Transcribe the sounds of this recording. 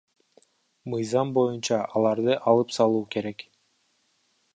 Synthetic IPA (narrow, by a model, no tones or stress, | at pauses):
mɯjzɑmbo̞junt͡ʃɑʔɑlˠɑɾd̪ɯʔɑlˠɯpsɑlˠuːke̞ɾe̞k